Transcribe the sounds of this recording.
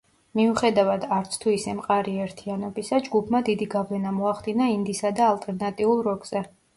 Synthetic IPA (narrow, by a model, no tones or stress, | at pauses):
miuχɛd̪avad̪aɾt̪sʰt̪ʰuisɛmqʼaɾiɛɾt̪ʰianɔbisad͡ʒɡupʰmad̪id̪iɡavlɛnamɔaχd̪inaind̪isad̪aːlˠt̪ʼɛɾnat̪ʼiulˠɾɔɡz̥ɛ